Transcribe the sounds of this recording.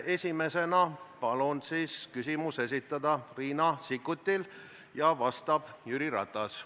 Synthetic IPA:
e̞sʲime̞se̞nɑpɑlunsiːskysimuse̞s̬it̪ːˑɑd̪̥ɑriːnɑsikːut̪ʲːil | jɑvɑst̪ɑb̥jyɾiɾɑ̰t̪ːˑɑs

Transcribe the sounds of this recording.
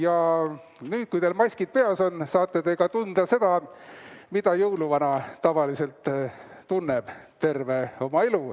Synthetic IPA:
jɑ | nyːd̪̥̚kujt̪e̞lmɑjsʲkid̪̥̚pe̞ɑso̞nsɑːt̪ːˑet̪e̞ɡ̥ɑt̪und̪̥ɑse̞d̪̥ɑ | mid̪̥ɑjɤwluvɑnɑt̪ɑvɑlise̞lt̪ːunːeb̥t̪e̞rve̞o̞mɑelu

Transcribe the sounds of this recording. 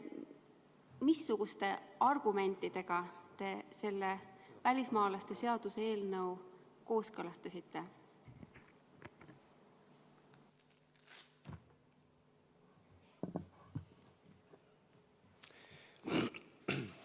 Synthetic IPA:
misːuɡ̥ust̪e̞ɑrɡ̥ume̞nt̪ːˑid̪̥e̞ɡ̥ɑt̪e̞se̞lːevælʲismɑːlɑst̪e̞se̞ɑd̪̥useeːlnɤwko̞ːskɤlɑst̪ɑsit̪ːe̞

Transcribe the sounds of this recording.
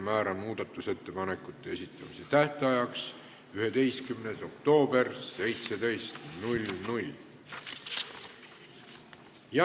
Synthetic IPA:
mæːɾɑnmuːd̪̥ɑt̪ːˑuse̞t̪ːe̞pɑne̞kːˑut̪ˑːe̞esit̪ˑːɑmise̞t̪æht̪eɑjɑks | yɦe̞d̪̥e̞jst̪̚kymneso̞k̚t̪o̞ːb̥e̞rsːe̞jt̪sed̪e̞jst̪nulʲnulʲ | jɑ

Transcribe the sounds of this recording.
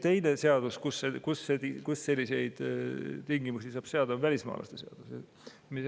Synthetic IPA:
t̪e̞jne̞se̞ɑd̪̥uskusekusːet̪ikusːe̞lʲːise̞jd̪̥t̪iŋɡimusisɑːb̥se̞ɑd̪̥ɑnvælʲismɑ̰ːlʔɑ̰st̪eseɑ̰d̪̥use | mis

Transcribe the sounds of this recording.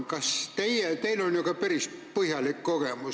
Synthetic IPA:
kɑst̪ejjɛt̪eilonjokɑpeɾispɤhjɑlikkoɡ̥emu

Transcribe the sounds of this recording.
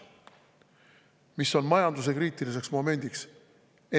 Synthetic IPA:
miso̞nmɑjɑnd̪us̬e̞kɾiːt̪ˑilis̬e̞ksmo̞me̞nʲd̪̥iks | e

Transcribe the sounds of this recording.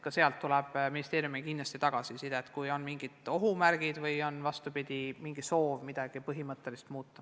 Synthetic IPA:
kɑse̞ɑlt̪ːulɛb̥minʲist̪e̞ːɾjumikindlɑst̪it̪ɑɡ̥ɑsisid̪eet̪ːˑkujo̞nmiŋɡ̥id̪̥o̞ɦumærɡ̥id̪̥vɤjo̞nvɑst̪upid̪̥ʲimiŋɡ̥iso̞ːvmid̪̥ɑɡ̥ipɤɦimɤt̪ˑːe̞list̪muːt̪ːˑɑ

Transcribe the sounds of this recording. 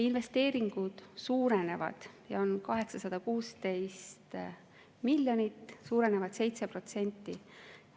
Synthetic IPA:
inve̞st̪e̞ːɾiŋɡ̥ud̪̥suːɾene̞vɑ̰d̪̥jɑo̞nkɑɦe̞ksɑsɑd̪̥ɑkuːst̪e̞jst̪ | milʲjo̞nʲit̪ːˑsuːɾe̞ne̞vɑd̪̥se̞jt̪se̞pro̞t̪se̞nʲt̪ːˑi

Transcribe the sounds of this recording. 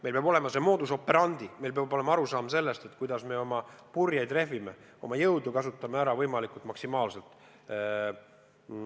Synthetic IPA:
mejlpeɑbo̞le̞mɑse̞mo̞ːd̪uso̞pːe̞ɾɑnd̪ime̞jlp̬ɑbo̞le̞mɑɑɾusɑːmse̞lːe̞st̪e̞t̪kujd̪̥ɑsme̞o̞mɑpurjɑjd̪re̞ɦvime̞ | o̞̰mɑjɤwd̪ukɑsut̪ːˑɑmeæɾɑvɤjmɑlikult̪mɑksimɑːlse̞lt̪ˑ

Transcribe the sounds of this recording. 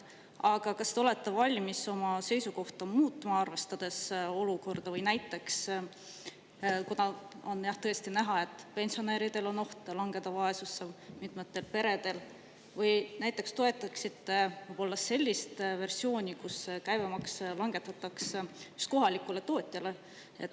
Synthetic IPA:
ɑɡ̥ɑkɑsːt̪o̞le̞t̪ːevɑlʲmiso̞mɑse̞jsuko̞ht̪ɑmuːt̪ːˑmɑɑrve̞st̪ɑd̪̥e̞soluko̞rd̪̥ɑvɯjnæjt̪ːˑe̞ks | kunɑo̞njɑht̪ɤ̞e̞st̪inæɦɑe̞t̪ːˑpe̞nsioneːɾid̪̥e̞lo̞no̞ht̪lɑŋɡ̥e̞d̪̥ɑvɑe̞susːemit̪ˑmet̪ːe̞lpe̞ɾe̞d̪̥e̞l | vɯjnæjt̪ˑːe̞kst̪o̞e̞t̪ːˑɑksit̪ːe̞vɯjb̥o̞lːɑse̞lʲːist̪ve̞rsio̞ːnʲikuskæjvemɑkslɑŋɡ̥e̞t̪ːˑɑt̪ːˑɑksjyst̪̚ko̞ɦɑlikːˑule̞t̪o̞ːt̪ʲˑjɑle̞ | ḛt̪ː

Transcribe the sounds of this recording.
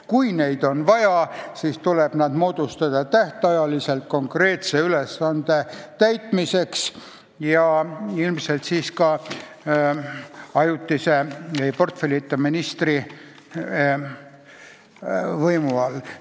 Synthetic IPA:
kujne̞jd̪̥o̞nvɑjɑsiːst̪uleb̥nɑd̪mo̞ːd̪̥ust̪ɑd̪̥ɑt̪æht̪ɑjɑlise̞lt̪̚ko̞ŋkre̞ːt̪se̞yle̞sːɑnd̪̥e̞t̪æjt̪mise̞ks | jɑilmse̞lt̪siːskɑ | ɑjut̪ːˑise̞ejpo̞rt̪felʲit̪ːˑɑminist̪ri | vɤjmuɑlː

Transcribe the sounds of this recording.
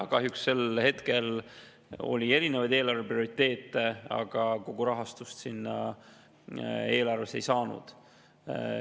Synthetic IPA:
kɑɦjuksse̞lhe̞t̪ke̞l | o̞̰lʲie̞ɾine̞vɑjd̪e̞ːlɑrve̞prio̞ɾit̪ːe̞ːt̪ˑːeɑ̰ɡ̥ɑkoɡ̥uɾɑɦɑst̪ust̪sinːɑ | e̞ːlɑrve̞se̞jsɑːnṵd̪̥

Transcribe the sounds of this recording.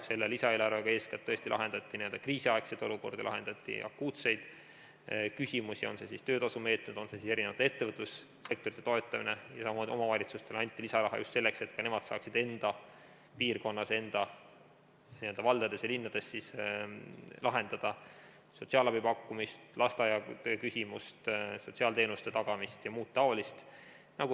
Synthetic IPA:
se̞lːelisɑelɑɾeɡ̥ɑe̞ːskɑt̪ːɤ̞est̪ilɑ̰ɦe̞nd̪̥ɑt̪ˑːinield̪̥ɑkriːsiɑekse̞d̪̥o̞luko̞rd̪ɑ̰lɑ̰ɦe̞nd̪ɑt̪ʲːˑḭʔɑ̰kːuːt̪se̞jd̪̥ | kysʲimusio̞̰nse̞sist̪ø̞ːd̪ɑsume̞ːt̪nud̪̥o̞nsesise̞ɾinevɑt̪ːˑe̞t̪ːe̞vɤt̪ːˑlusː | ek̚t̪oɾit̪ːet̪o̞e̞t̪ːˑɑmḭnejɑsɑmo̞mɑvɑlʲit̪sust̪e̞lɑnʲt̪ːˑilisɑɾɑɦɑ̰just̪se̞lːekse̞t̪kɑne̞mɑd̪sɑːksid̪̥e̞nd̪̥ɑ | piːrko̞nːɑse̞nd̪̥ɑ | niø̞ld̪ɑvɑld̪̥ɑd̪̥e̞sjɑlinːɑd̪̥e̞sːis | lʔɑɦe̞nd̪̥ɑd̪̥ɑ | so̞t̪siɑːlɑb̥ipɑkːumist̪lɑst̪ɑjɑt̪økysʲimust̪so̞t̪ʲsiɑːlt̪e̞ːnust̪e̞t̪ɑɡ̥ɑmist̪jɑmuːt̪ːɑolist̪ | nɑɡu

